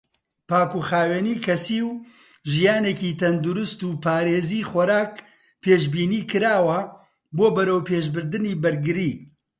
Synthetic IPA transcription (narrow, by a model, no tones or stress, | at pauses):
paːkuxaːweːniːkʰɐsiw | ʒijaːnecit̪ʰɐnd̪uɾʊst̪upʰaːɾeːziːxɔɾaːk | pʰeːʃbiːniːkɨɾaːwɐ | boːbɐɾɐwpʰeːʃbɨɾd̪ɨniːbɐɾɡɨɾiː